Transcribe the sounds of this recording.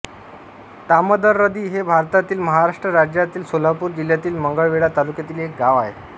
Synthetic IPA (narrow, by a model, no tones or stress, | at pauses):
t̪aməd̪əɾːəd̪iːɦebʱaɾt̪at̪iːlməɦaɾaʂʈɾəɾad͡ʑjat̪iːlsolapuːɾd͡ʑiljat̪iːlməŋɡəɭʋeɭat̪alukjat̪iːlek̚ɡaʋaɦḛ